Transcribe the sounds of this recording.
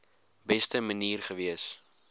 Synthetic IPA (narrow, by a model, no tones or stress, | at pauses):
bɛstəməniːrχəviəs